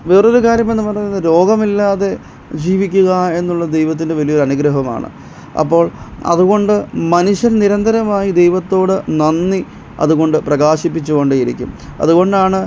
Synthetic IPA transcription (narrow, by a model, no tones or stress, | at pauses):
ʋeːroɾukaːɾjɐme̞nːɨpɐrɐɲɐnːɨɾo̞ːɡɐmilːaːðe̞ | d͡ʑiːʋikʲːuɣɐe̞nːuɭːɐd̪e̞jʋɐt̪̬ːinde̞ʋɐlijoɾuɐnuɡɾɐɦɐma̰ːɳɨ̰ | ɐ̰pːo̞ːɭɐ̰ðuɣo̞ɳɖɨmɐnuɕjɐnniɾɐnd̪ɐɾɐmaːjid̪e̞jʋɐt̪ːo̞ːɽɨnɐnːi | ɐ̰ðuɣo̞ɳɖɨprɐɣaːɕipːit͡ɕːuɣo̞ɳɖɨiɾikʲːṵmɐ̰ðuɣo̞ɳɖaːɳɨ